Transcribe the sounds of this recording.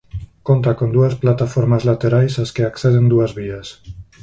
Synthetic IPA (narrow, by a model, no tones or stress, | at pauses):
kont̪akond̪uesplat̪afoɾmazlat̪eɾajseskeakseð̞end̪uezβies